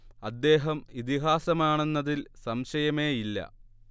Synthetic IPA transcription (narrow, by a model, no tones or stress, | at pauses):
ɐd̪ːe̞ːɦɐmit̪iɦaːsɐmaːɳenːɐðilsɐmɕɐjɐme̞ːilːɐ̰